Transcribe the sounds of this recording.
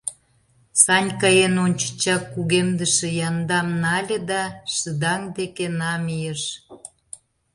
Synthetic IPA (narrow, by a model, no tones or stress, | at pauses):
sɑnʲkɑjenonʲt͡ɕə̥t͡ɕɑkːuɣemd̪əʃĕjɑnd̪ɑmnɑlʲĕd̪ɑʃəd̪ɑŋd̪ekenɑmijəʃ